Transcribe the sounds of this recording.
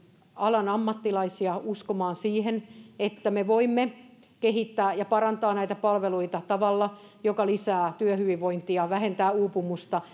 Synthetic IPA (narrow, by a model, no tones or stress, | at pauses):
ɑlɑnɑmːɑt̪ːilɑisiɑuskomɑːnsiːhenet̪ːæmeʋoimːe | keɦit̪ːæːjɑpɑrɑnt̪ɑːnæit̪æpɑlʋeluit̪ɑt̪ɑʋɑlːɑ | jokɑlisæːt̪yøhyʋiʋʋoint̪iɑʋæhent̪æːuːpumust̪ɑ